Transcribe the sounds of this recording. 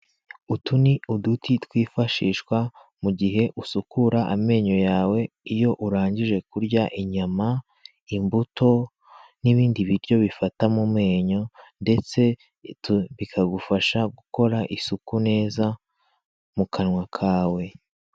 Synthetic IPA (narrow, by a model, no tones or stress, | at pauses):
utuniudutʰitwiːfaʃiːʃkwa | muɡiɦe̞ʔusukuɾaʔame̞ːɲo̞jaːwe̞ | ijo̞ʔuɾaːɲɟiʒe̞kuɾɟaʔiɲama | imbuto̞ | niβiːndiβiɾɟo̞βifatamumŋe̞ːɲo̞nde̞t͡se̞ | tuβikʰaɡufaʃaɡuko̞ɾaʔisukune̞ːza | mukʰanŋwakʰaːwe̞